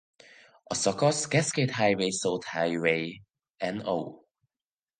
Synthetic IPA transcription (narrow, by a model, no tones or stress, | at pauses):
ʔəsɔkɔsɡɛskeɪthajwesothajwe | ɛ̃no̰ʊ